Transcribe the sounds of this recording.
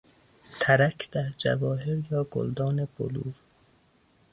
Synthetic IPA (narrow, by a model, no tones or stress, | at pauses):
t̪ʰæɾækʰd̪̥æɾd͡ʒæ̰vɒːɦeɾjɒːɡo̰ld̪ɒːneb̥o̰lṵːɾ